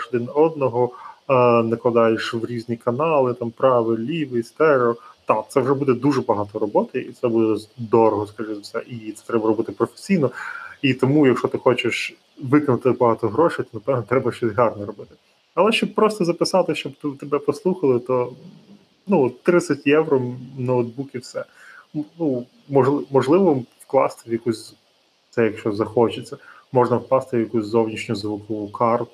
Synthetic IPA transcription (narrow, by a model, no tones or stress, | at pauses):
ʃɔd̪ɪnɔd̪̚nɔɦɔ | nɐklˠɐd̪ɑjeʃʋɾʲizʲnʲikɐnɑlˠɪt̪ɑmpɾɑʋɪlʲiʋɪst̪ɛɾɔt̪ɑt̪sɛwʐɛbud̪ɛd̪uʐɛbɐɦɑt̪ɔɾɔbɔt̪ɪit̪sɛbud̪ɛɔd̪ɔɾɔɦɔskɐʐɪzʊsɛ̰ʔit̪sɛt̪ɾɛbɐɾɔbɪt̪ɪpɾɔfe̥sʲijnɔit̪ɔmujɐkʃɔt̪ɪxɔt͡ʃɪʃ | ʋɪkɐnʊt̪ɪbɐɦɑt̪ɔɦɾɔʂɪjt̪ɔnɐpɛʋnɔt̪ɾɛbɐʃt͡ʃɔsʲɦɑrnɔɾɔbɪt̪ɪ | ɐlˠɛʃt͡ʃɔb̚pɾɔst̪ɔzɐpɪsɑt̪ɪʃt͡ʃɔbt̪ut̪ebɛpɔslˠuxɐlˠɪt̪ɔ | nuɔt̪ːɾɪt̪sʲɐtʲjɛwɾɔnɐwd̪̚bukʲiwsɛ | nu | mɔʒlˠmɔʒlˠɪʋɔwklˠɑ̰st̪ɪʋjɐkusʲ | t̪sɛjɐkʃt͡ʃɔzɐxɔt͡ʃɪt͡sʲːɐmɔʐnɐwklɑst̪ɪʋjɐkusʲzɔwnʲiʃnʲʊzʋʊkɔʋʊkʰɑrt̪ʊ